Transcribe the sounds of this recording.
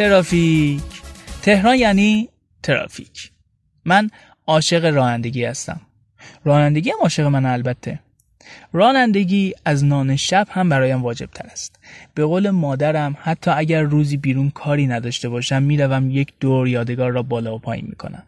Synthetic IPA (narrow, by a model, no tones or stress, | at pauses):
t̪eɾɒːficʰt̪ʰe̞hɾɒːnjæːniː | t̪ʰeɾɒ̰ːficʰ | mæn | ɒːʃe̞ɣe̞ɾɒːnænd̪e̞ɟiːhæst̪æ̰m | ɾɒːnænd̪e̞ɟiːæmɒːʃe̞ɣemænælbæt̪ʰːe̞ | ɾɒːnænd̪e̞ɟiːæznɒːne̞ʃæb̥hæmbæɾɒːjæmvɒːd͡ʒe̞b̥̚t̪ʰæɾæst̪b̥e̞ɣoːle̞mɒːd̪æɾæmhæt̪ʰːɒːæɟæɾːuːziːbiːɾuːnkʰɒːɾiːnæd̪ɒːʃt̪e̞bɒːʃæmːiːɾævæmje̞cʰd̪̥oɾjɒːd̪e̞ɡɒːɾːɒːbɒːlɒːopʰɒ̰ːjḭːnmḭːkʰo̞̰næ̰m